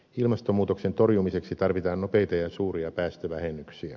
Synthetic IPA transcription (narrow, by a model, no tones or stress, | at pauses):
ilmɑst̪omuːt̪okse̞nt̪o̞rjumise̞ksit̪ɑrʋit̪ɑːnno̞pe̞jt̪ɑjɑsuːriɑpæːst̪øʋæhenːyksiæ̰